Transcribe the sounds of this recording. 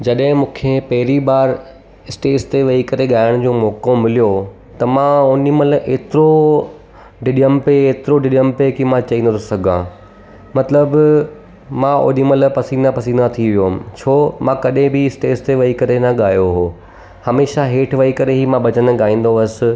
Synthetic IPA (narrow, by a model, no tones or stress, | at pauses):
d͡ʑɐɗɦɪ̃mũːkʰepɐɦɪɾiɓaːɾ | ɪsʈeːst̪eʋɐikɐɾeɠaːɪəɽ̃d͡ʑõːmɔːkõmɪlijo | t̪ɐmãoːniməlʔeːt̪ɪɾo | ɖɪɗijəmpeːt̪ɪɾoɖɪɗijəmpekimãt͡ɕɐĩːnd̪ot̪ʰosɐɡʱã̰ | mɐt̪ləb | mão̰ːniməlpɐsind̪apɐsĩnd̪at̪ʰiʋijoɦmɪ̆t͡ɕʰoːmãkɐɗẽbɪɪsʈeːst̪eʋɐikɐɾenɐɠaːjoɦoː | hɐmeːʃaɦeːʈʰʋɐikɐɾeɦimãɓɐt͡ɕənɠaːĩːn̆d̪oʋɐsɪ̆